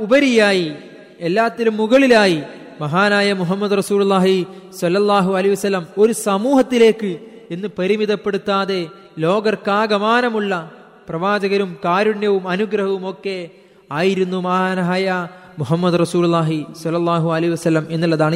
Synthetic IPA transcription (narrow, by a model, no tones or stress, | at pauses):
ubɐɾijaːji | elːaːt̪ːilumːuɣɐɭilaːji | mɐɦaːnaːjɐmuɦɐmːɐd̪urɐsuːlulːaːɦisɐlːɐlˠˤːaːɦuɐlɐɦiʋɐsɐlːɐmo̞ɾusɐmuːɦɐt̪ːile̞ːkːɨ | enːɨpɐɾimiðɐpːe̞ɽut̪ːaːðe̞ | lo̞ːɡɐrkaːɡɐmaːnɐmuɭːɐ | prɐʋaːd͡ʑɐɣɐɾumkaːɾuɳjɐʋumɐnuɡɾɐɦɐʋumo̞kːe̞ | aːjiɾunːumɐɦaːnaːjɐ | muɦɐmːɐd̪rɐsuːlulːaːɦisɐlːɐlˠˤːaːɦuɐlɐɦiʋɐsɐlːɐme̞nːiɭːɐðaːɳɨ